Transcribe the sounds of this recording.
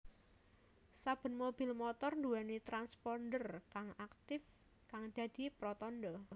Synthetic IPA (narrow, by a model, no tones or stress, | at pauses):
sab̥ə̤nmobɪ̤lmɔt̪ɔrnd̪uanit̪ɾanspɔnd̪ərkaŋakt̪ɪf | kaŋd̪̥ä̤d̪̥i̤pɾɔt̪ɔndɔ